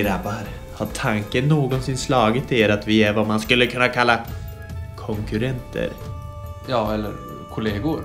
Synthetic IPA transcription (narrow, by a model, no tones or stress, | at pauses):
ɾabːaɾ | haʈʰaŋkənːoːɡɔnsɪnslɑːɡɪt̪ʰːɪeːɾat̪vɪæɾvamanskɵlːəkʰɵnːakʰalːa | kʰɔŋkɵɾɛnt̪ʰə̰ɾ | jɑːɛlːə̰ɾ | kʰʊleːɡʊɾ